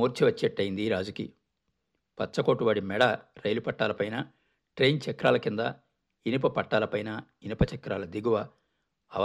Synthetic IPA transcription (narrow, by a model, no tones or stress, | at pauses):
uːɾt͡ʃiʋɐt͡ʃːeʈːɐjind̪iɾaːd͡ʒukḭ | pɐt͡ʃːɐkoːʈuʋaːɽimɛɽɐɾɐjlupɐʈːaːlɐpɐjnɐ | ʈɾejnt͡ʃɐkɾaːlɐkind̪ɐ | inip̬ɐpɐʈːaːlɐpɐjnɐ | inipɐt͡ʃɐkɾaːlɐd̪iɡuʋɐː | ʋ